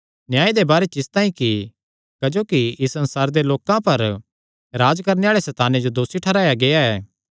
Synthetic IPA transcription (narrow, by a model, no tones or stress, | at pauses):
njaːid̪ebaːɾet͡ʃɪst̪ãːĩki | kɐd͡ʒoːkiɪsɐ̃nsaːɾd̪eloːkãpɐɾ | ɾaːd͡ʒkɐɾneaːɭesɛːt̪aːned͡ʒod̪oːsiʈʰɐɾaːjaɡejaɛː